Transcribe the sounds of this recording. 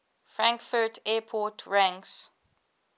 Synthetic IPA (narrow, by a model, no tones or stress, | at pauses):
fɹãŋkfətʰɛpʰɔtʰɹãŋs